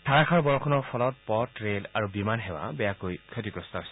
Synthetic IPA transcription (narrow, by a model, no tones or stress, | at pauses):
tʰaɹakʰaɹbɔɹɔkʰɔnɔɹpʰɔlɔt̚pɔtɹelaɹubimanɦɛwa̰bɛjakojkʰɔtiɡɹɔstɔɦosɛ